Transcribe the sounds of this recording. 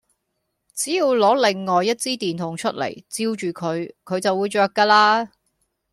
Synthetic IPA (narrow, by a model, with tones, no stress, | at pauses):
t͡siː˨˥jiː˨˧wlɔː˨˥le˨˩ŋːɔː˨jːɐ˥t̚t͡siː˥t̪iː˨nt̪ʰʊ˨˩ŋt͡ʃʰɵ˥t̚lḛ˨˩jt͡siː˧wt͡ʃyː˨kʰɵ˨˧ɥkʰɵ˨˧ɥt͡sɐ˨wuː˨˧jt͡ʃœː˨kːaː˧laː˧